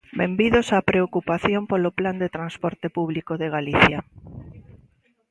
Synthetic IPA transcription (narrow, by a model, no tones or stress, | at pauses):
bembiðosapɾeokupaθjompolopland̪et̪ɾanspɔɾt̪epuβlikoðeɣaliθja